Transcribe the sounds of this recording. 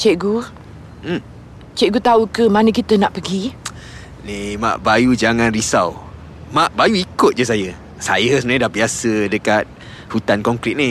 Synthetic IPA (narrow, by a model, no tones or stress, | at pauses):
t͡ʃeʔɡu | m̩ | t͡ʃɛʔɡut̪aukəmanə̃kit̪ənaʔpəɡi | nema̰ʔbajud͡ʒaŋãnrisaw | maʔbajuikʊt̪̚d͡ʒəsajə | sajəsəmənaɲadahbiasədəkat̪̚ | hut̪ankɔŋkɾit̪̚ni